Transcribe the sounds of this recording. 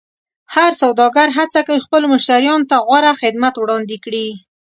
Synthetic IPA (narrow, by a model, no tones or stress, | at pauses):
haɾsawd̪ɑɡaɾɦat͡sakawixpəlomʊʃt̪aɾjɑnot̪aɣwaɾaxɪd̪mat̪wɽɑnd̪ɪkɽi